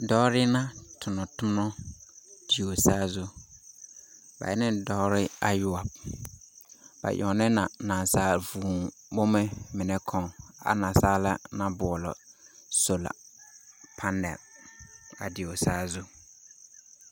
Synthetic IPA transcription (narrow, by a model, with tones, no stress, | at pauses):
dɔ˦ɾɪ˦nã˦tʰʊ˨nɔ˨tʊ˦mɔ˦ | d̥ɪ˨o˨saː˦zʊ˦ | ba̰˨ɛ˦nɪ̃˦dɔ˦ɾɪ˦a˦jʊ˦a˨b̚ | b̥a̰˨ʔɔ̰˨nɪ˦na˨na˨nsaː˦vuː˨ | bo˦me˦mɪ˨nɛ˦kʰɔ̃˦ŋa̰˨nã˨saː˦la˦nã˦bʊ˨ɔ˨lɔ̰˨so˨la̰˨ | pʰa˦ndɛ̰˨l | ka̰˨dɪ˨o˨saː˦zʊ˦